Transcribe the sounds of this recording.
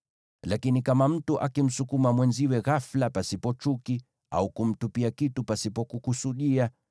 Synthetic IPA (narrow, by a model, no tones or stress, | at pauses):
lakinikamam̩tuʔakim̩sukumamwɛnziwɛɣaflapasipɔt͡ʃuki | a̰ukum̩tupiakitupasipɔkukusuɗia